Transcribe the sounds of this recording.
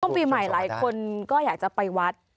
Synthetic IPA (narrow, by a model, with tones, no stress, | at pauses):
əŋpiː˧ma˨˩jlaː˩˦jkʰo˧nkɔː˥˩jaː˨˩k̚t͡ɕa˨˩pa˧jwa˦˥t̪̚